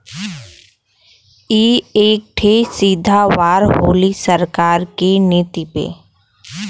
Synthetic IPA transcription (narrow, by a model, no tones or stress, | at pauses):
iːeːk̚ʈʰesiːd̪ʱawaːɾɦoːlisəɾkaːɾkeneːt̪ipḛː